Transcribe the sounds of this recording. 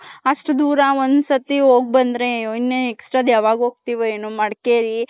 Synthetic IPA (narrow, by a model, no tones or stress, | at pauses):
ɐʂʈud̪uːɾaond̪sɐt̪iɦoːɡ̚bɐnd̪ɾeinːeeksʈɾaːd̪jaːʋaːɡɦoːɡ̚t̪iːʋeeːnumɐɽkeːɾi